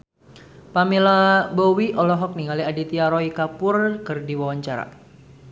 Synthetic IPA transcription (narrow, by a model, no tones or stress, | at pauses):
pamilabɔwiʔɔlɔɦɔk̚niŋaliadit̪iaɾɔikapʊrkɨrdiwawaɲt͡ʃaɾa̰